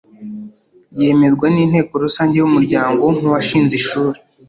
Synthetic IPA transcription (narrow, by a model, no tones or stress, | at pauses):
je̞me̞zɡweniːn̥he̞ːkoɾusaːɲɟejumuɾɟaːŋɡo̞ŋ̥uwaʃiːnziʃuːɾe